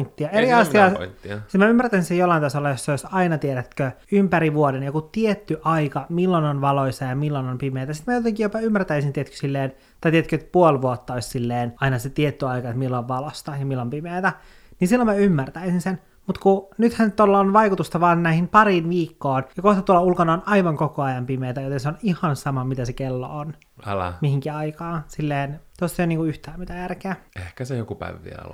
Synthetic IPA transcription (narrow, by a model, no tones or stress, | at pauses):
nt̪ːiɑeriɑsiɑːsit̪mæymːært̪æsinsejolːɑint̪ɑsolːɑjosːɑjosɑinɑt̪ieɾæt̪køympæɾiʋuodenjokut̪iet̪ːyʔɑikɑmilːononʋɑloisɑjɑmilːonompimeːt̪æsi̥t̪mæjot̪eŋkijjopɑymːært̪æisint̪iet̪ky̥silːeːn | t̪ɑit̪et̪køet̪puolʋuot̪ːɑoissilːeːnɑinɑset̪iet̪ːyɑikɑet̪milːoʋʋɑlost̪ɑjɑmilːompimeːt̪æ | ninsilːomæymːært̪æisinsen | mut̪kunyt̪hænt̪olːɑonʋɑikut̪ust̪ɑʋɑːnnæihimpɑɾinʋiːkːoːnjɑkoht̪ɑt̪uolɑulkɑnɑonɑiʋɑŋkokoɑjɑmpimeːt̪æjot̪enseonihɑnsɑmɑmit̪æsekelːo̰on | ɑl̰mihiŋkiɑikɑːsilːeːnt̪osːeniːŋkuyht̪æːmit̪æjærkeæehkæsejokupæ̰iʋʋḭɑ̰lo̰